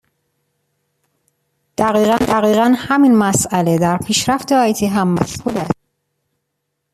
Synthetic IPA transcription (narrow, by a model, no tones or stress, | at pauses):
d̪̥æɣiːɣænd̪æɣiːɣænhæminmæsæle̞d̪æɾpʰiːʃɾæft̪ʰeɒjt̪ʰiːɦæmːæ̰shud̪æs̚